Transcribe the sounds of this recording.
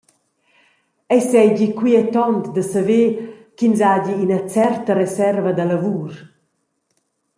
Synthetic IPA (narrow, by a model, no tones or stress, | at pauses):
ɛsɛjɟikwiɛt̪ɔnt̪d̪əsavekinzaɟiːnət͡sɛrt̪əɾɛsɛrvad̪alavuːr